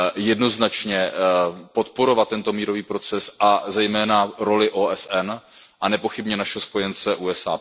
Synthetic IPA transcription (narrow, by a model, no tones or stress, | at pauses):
jɛdno̞znat͡ʃɲɛpo̞t̪po̞ɾo̞vat̪̚ːɛnt̪o̞miːɾo̞viːpɾo̞t͡sɛsʔazɛjmɛːnaɾo̞lɪʔoːʔɛsɛnʔanɛpo̞xɪbɲɛnaʃɛɦospo̞jɛnt͡sɛʔuːɛsa̰ː